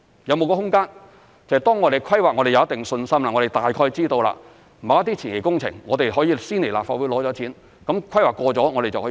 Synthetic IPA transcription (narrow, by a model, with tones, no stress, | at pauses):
jɐ˨˧wmo˨˧wkɔː˧ɦʊ˥ŋkaː˥n | t͡sɐ˨˧ɛ˨t̪ɔː˥ŋɔ˨˧t̪e˨˩jkʰɐ˥jwaː˨˩ŋɔː˨˧ɾe˨jɐ˨˧wɐ˥t̪ɪ˨˩ŋsɵ˧nsɐ˥mlaː˨˩ŋɔ˨˧ɾe˨˩jt̪aː˨jkʰɔː˧jt͡siː˥t̪o˧wla̰ː˧ | m̩˨ɐ˨˧wɐ˥t̪iː˥t͡sʰiː˨˩nje˨˩kʊ˥ŋt͡sʰɪ̰˨˩ŋːŋɔː˨˧t̪e˨jɦɔː˨˥jiː˧siː˥nle˨˩laː˨pfaː˧t̚wu˨˥jlɔː˨˥t͡sɔː˨˥t͡sʰiː˨˥n | kɐ˨˥mkʰɐ˥jwaː˨˩kːɔː˧t͡sɔː˨˥ŋɔ˨˧ɾe˨jt͡sɐ˨hː